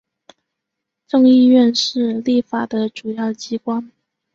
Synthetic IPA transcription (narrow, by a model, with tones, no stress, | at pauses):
ʈ͡ʂɤ˥˧ŋi˥˧ɥɛ˥˧nʂɻ̩˥˧li˥˩fa˨˩d̪ə˦ʈ͡ʂu˨˩jɑ˥˩ʊt͡ɕi˥kwa˥n